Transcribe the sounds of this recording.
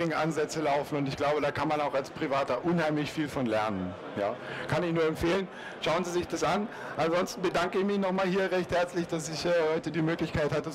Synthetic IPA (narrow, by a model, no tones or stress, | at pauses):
ɪŋʔanzɛt͡səlaʊfn̩ʊntɪçɡ̥laʊbədaːkʰanmanaʊxalspʁ̥ivaːtɐʔʊnhaɪmlɪçfiːlfɔnlɛɐnən | ja̰ːkʰanɪçnuːɐɛmfeːlən | ʃaʊənziːzɪçd̥asʔan | ʔanzɔnstn̩bədaŋkəɪçmɪçnɔχmaːlɦiːɐʁɛçthɛɐt͡slɪçd̥asɪçʔɛːhɔʏtədiːmøːklɪçkʰaɪthatə